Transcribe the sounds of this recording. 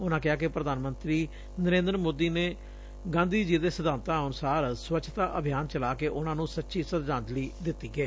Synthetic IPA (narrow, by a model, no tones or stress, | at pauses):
ʊnãːkɪɦaːkepɾəd̪aːnmənt̪ɾiː | nəɾẽːnd̪əɾmoːd̪iːneː | ɡãːnd̪iːd͡ʒiːd̪eːsəd̪aːnt̪ãːənʊsaːɾswətːt͡ʃʰʃʰt̪aːʔəbʱɪjaːnt͡ʃəlaːkeːʔʊnãːnũːsətːʃiːsət̪d͡ʒãːnd͡ʒ̪liːd̪ɪt̪ːiːɡɛː